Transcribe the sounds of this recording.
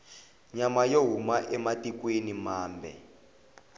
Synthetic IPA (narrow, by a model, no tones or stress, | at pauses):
ɲamajoɦumaʔɛmatikwenimaːmbʱɛ̰